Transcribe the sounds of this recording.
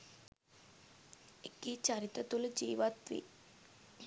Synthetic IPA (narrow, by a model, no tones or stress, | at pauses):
ekit͡ʃaɾit̪ɐt̪uləd͡ʒiːʋat̪ʋḭ